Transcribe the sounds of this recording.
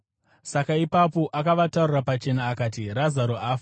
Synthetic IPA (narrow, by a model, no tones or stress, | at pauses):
sakaipapo̞ʔakaʋatarurapat͡ʃe̞naːkaːt̬irazaɾoaːfa